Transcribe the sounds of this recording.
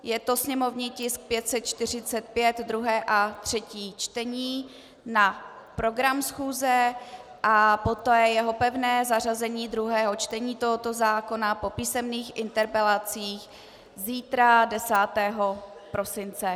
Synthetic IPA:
jɛt̪o̞sɲɛmo̞vɲiːcɪsk̚pjɛt̪sɛt̪̚t͡ʃt̪ɪr̝ɪt͡sɛt̪̚pjɛd̪d̪ɾuɦɛːʔat̪r̝̥ɛciːt͡ʃt̪ɛɲiː | na | pɾo̞ɡɾamsxuːzɛʔapot̪ɛːjɛɦo̞pɛvnɛːzar̝azɛɲiːd̪ɾuɦɛːɦo̞t͡ʃt̪ɛɲiːt̪o̞ɦo̞t̪o̞zaːko̞napo̞piːsɛmniːxʔɪnt̪ɛɾpɛlat͡siːx | ziːt̪ɾadɛsaːt̪ɛːɦo̞pɾʔo̞sɪnt͡sɛ

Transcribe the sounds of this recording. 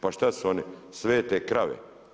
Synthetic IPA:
paʃt̪asuonisʋeːt̪ekɾaʋḛ

